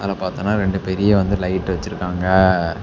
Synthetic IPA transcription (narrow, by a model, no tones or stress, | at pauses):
ɐlɐpaːɾt̪ɐ̃ːnːaːɾɛɳɖɯpɛɾɪjeːʋɐnd̪ɯlɐɪʈːɯʋɐt͡ʃːɪɾɯkːaːŋɡɐ